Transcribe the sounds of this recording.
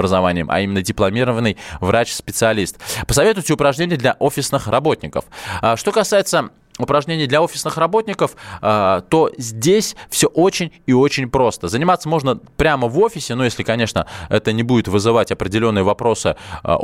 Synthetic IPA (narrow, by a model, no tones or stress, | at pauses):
bɾəzɐvanʲɪjəmʔɐ̰imʲɪnːədʲɪplˠɐmʲiɾəvənːɨjvɾat͡ɕspʲɪt̪sɨɐlʲist̪pə̥sɐvʲe̞t̪ʊjɪtʲɪʊpɾɐʐnʲenʲɪjəd̪lʲɐʔo̞fʲɪsnɨxrɐbo̞t̪ʲnʲɪkə̰fʂt̪o̞kɐsajɪt̪sə | ʊpɾɐʐnʲenʲɪjd̪lʲɐo̞fʲɪ̥snɨxrɐbo̞tʲnʲɪkəf | t̪o̞zʲdʲesʲfsʲɵʔo̞t͡ɕɪnʲ | ɪo̞t͡ɕɪnʲpɾo̞st̪əzənʲɪmat̪səmo̞ʐnəpɾʲaməvo̞fʲɪsʲɪnujesʲlʲɪkɐnʲeʂnəɛt̪ənʲɪbudʲɪt̪vɨzɨvatʲɐpɾʲɪdʲɪlʲo̞nːɨjəvɐpɾo̞sɨ̰